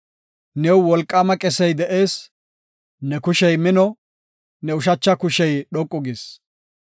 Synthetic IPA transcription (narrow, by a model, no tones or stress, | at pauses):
nɛwwɔlkʼːɐmɐkʼɛsɛjd̪ɛʔeːs | nɛkʊʃɛjmɪnɔ | nɛʊʃ̬ɐt͡ʃːɐkʊʃɛjɗɔkʼːʊɡɪs